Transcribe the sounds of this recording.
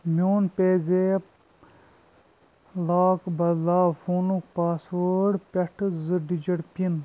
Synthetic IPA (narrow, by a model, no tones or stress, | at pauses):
mʲoːnpeːzeː | laːkbɐlaːfoːnukpaːsʋəɽpʲɐʈʰzɨɖid͡ʒɐɽpin